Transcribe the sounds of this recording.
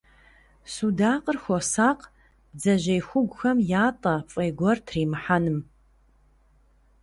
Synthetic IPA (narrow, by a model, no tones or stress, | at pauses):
sudaːqərxʷɔsaːq | b̥d͡zɐʑejxʷʊɡʷʊxɐmjaːtʼɐfʼɐjɡʷɔrtʰriːmɨħanɨm